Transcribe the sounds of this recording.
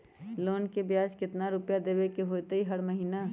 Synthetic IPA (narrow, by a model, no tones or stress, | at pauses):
loːnkebjaːd͡ʒkɪt̪naɾʊpjad̪eːbekeɦoːt̪eɦiɦəɾməɦiːna